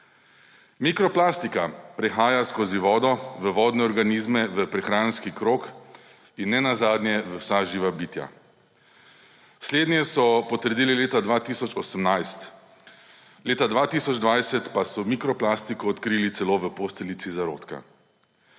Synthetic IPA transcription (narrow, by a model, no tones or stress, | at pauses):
mikɾɔplast̪ikapɾɛxaːjaskoːziʋɔːd̪ɔʋəʋɔːd̪nɛɔɾɡaniːzmɛʋəpɾɛxɾaːnskikɾoːk | inːɛnazaːd̪njɛʋəwsaʒiːʋabiːt̪ja̰ | sleːd̪nʲjɛsɔpɔt̪əɾd̪iːlileːt̪ad̪ʋaːt̪iːsɔt͡ʃɔsəmnajst̪ | leːt̪ad̪ʋaːt̪isɔd͡ʒd̪ʋajsɛt̪pasɔmikɾɔplast̪ikɔɔt̪kɾiːlit̪sɛloːʋəpost̪ɛlit̪sizaɾo̰ːt̪ka̰